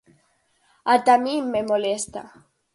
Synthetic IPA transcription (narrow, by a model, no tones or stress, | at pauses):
at̪amimːemolest̪a̰